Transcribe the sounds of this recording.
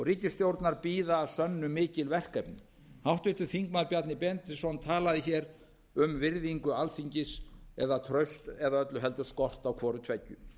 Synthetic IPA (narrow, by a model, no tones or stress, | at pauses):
ɔɣriːcɪst̪jowɾt̪naɾpiːðaːsœnːʏmɪːcɪlvɛr̥kɛpnʏ | hawht̪vɪht̪ʏ̥θiŋkmaðɾpjat̪nɪpɛnt̪ɪsɔnt̪ʰaːlaðɪçɛɾ | ʏmvɪɾðiŋkʏalfiɲcɪsɛ̰ðat̪ʰɾœɥst̪ɛðaœt̪lʏɦɛlt̪ʏskɔr̥t̪awkʰvɔːɾʏt̪ʰvɛcːʏ